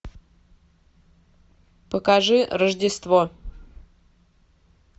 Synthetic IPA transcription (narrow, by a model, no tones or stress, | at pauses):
pəkaʐɨrəʐdʲɪst̪vo